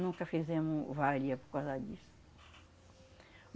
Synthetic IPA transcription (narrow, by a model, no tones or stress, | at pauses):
nũkɐfizẽmʊvaɾiɐpoɾkawzɐd͡ʒisʊ̥